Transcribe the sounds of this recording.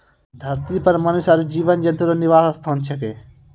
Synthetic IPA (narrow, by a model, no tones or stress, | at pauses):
d̪ʱɐɾt̪ipɐɾmɐnʊʃaːɾid͡ʑiːʋənd͡ʑẽnt̪uɾoːnɪʋaːsɐst̪ʰaːnt͡ʃʰɐkeː